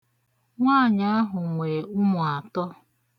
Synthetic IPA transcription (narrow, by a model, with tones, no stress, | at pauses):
ŋʷaː˦˨ɲa˦a˦ɦʊ˨ŋʷe˨u˦mʊ˨a˨tɔ˦